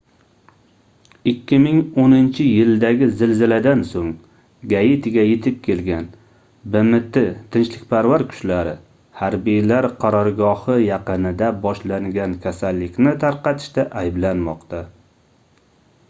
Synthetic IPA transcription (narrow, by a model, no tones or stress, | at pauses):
ɪkʲːɪmɪŋonɪnt͡ʃʰɪjɪld̪aɡʲɪzɪlzɪlad̪ansoŋ | ɡajɪt̪ʰɪɡʲajet̪ʰɪp̚kʲʰe̞lɡʲan | bɪmɪt̪ɪt̪ʰɪnt͡ʃlɪk̚ʲpʰaɾvaɾkʰʊ̥t͡ʃlaɾɪ | haɾbijlaɾqʰɑɾɒɾɡɒhɨjɑqɨnɪd̪abɒʃlaŋɡʲankʲʰasalːɪkʲnɪt̪ʰaɾqɑt̪ʰɪ̥ʃt̪aʔajblanmɒqt̪ʰa